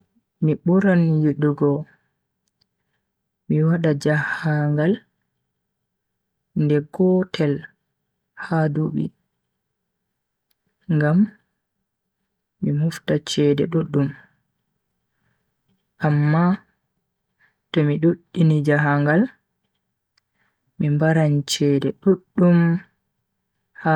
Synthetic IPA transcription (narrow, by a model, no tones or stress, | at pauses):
miɓuɾanjiɗuɡɔ | miwaɗad͡ʒahaŋɡal | ndɛɡɔtʰɛl | haduɓḭ | ŋɡam | imuftat͡ʃɛdɛ̰ɗuɗːum | ʔamːa | tɔmiɗoɗːinid͡ʒaɦaŋɡal | mimbaɾant͡ʃɛdɛɗuɗːum | ha